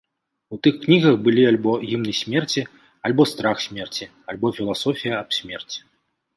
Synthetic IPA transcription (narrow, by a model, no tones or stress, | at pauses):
ut̪ɨxknʲiɣɐxbɨlʲialʲbɔɣʲimnɨsʲmʲɛrt͡sʲi | alʲbɔst̪ɾaxsʲmʲɛrt͡sʲi | alʲbɔfʲilˠasɔfʲijɐɐpsʲmʲɛrt͡sʲi̥